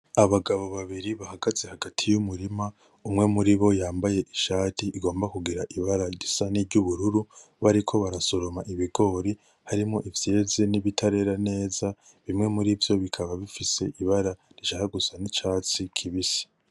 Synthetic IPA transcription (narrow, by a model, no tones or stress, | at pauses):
aβaɡaβo̞βaβiɾiβahaɡazehaɡatʰijumuɾima | umŋe̞muɾiβo̞jaːmbaje̞ʔiʃaːtiʔːɡo̞ːmbakuɡiɾaʔiβaɾaɟisaniɾɟuβuɾuɾu | βaɾikʰo̞βaɾaso̞ɾomaʔiβiɡo̞ɾi | haɾimŋo̞ʔivje̞ːzeniβitʰaɾe̞ɾane̞ːza | βimŋe̞muɾivjo̞βikʰaβaβifise̞ʔiβaɾa | ɾiʃahaɡusanit͡ʃaːt͡sikʰiβisi̥